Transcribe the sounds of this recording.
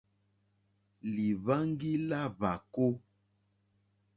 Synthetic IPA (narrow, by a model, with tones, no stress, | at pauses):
li˨βa˦ŋ˦ɡi˦la˦βa˨ko˦